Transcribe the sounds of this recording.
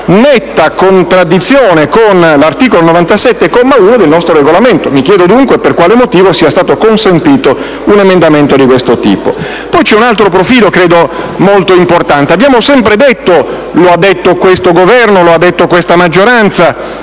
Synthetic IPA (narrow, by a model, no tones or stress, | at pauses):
nɛt̪ːakont̪ɾad̪ːit̪sːjoːnekonlart̪iːkolonovant̪asɛt̪ːekomːauːnod̪elnɔst̪ɾoreɡolament̪omikjɛːd̪od̪uŋkweperkwaːlemot̪iːvosiːast̪aːt̪okonsent̪iːt̪o | unemend̪ament̪od̪ikwest̪ot̪ḭːpo̰ | pɔjt͡ʃɛunalt̪ɾopɾofiːlokɾeːd̪omolt̪oimport̪ant̪eabjaːmosɛmpɾed̪et̪ːo | load̪ːet̪ːokwest̪oɡovɛrnoload̪ːet̪ːokwest̪amad͡ʒːoɾant̪sa